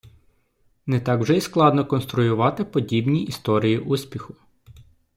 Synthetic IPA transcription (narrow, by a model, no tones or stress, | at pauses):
nɛt̪ɑkwʒɛisklˠɑd̪nɔkɔnst̪ɾʊjʊʋɑt̪ɪpɔdʲibnʲiʔist̪ɔɾʲijiʔusʲpʲixʊ